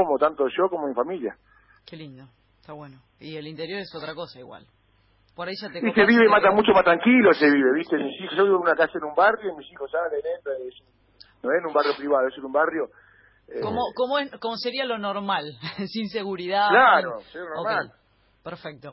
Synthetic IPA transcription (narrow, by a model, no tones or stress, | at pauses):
omot̪ant̪oeʃokomomifamilja̰ | kelind̪o | t̪aβweno | ielint̪e̞ɾjo̞ɾesot̪ɾako̞saiɣwa̰l | poɾaiʒat̪eŋiseβiβemat̪amut͡ʃomat̪ɾaŋkiloseβiβe̞βiht̪emisixoʃoβiβeunakasaenũmbarjoimisixosalenent̪ɾaes | noenũmbarjopɾiβaðoesenũmbarjo | ekomokomoekomose̞ɾialo̞noɾmalsins̬eɣuɾiðaklaɾoseaonoɾmael | peɾfek̚t̪o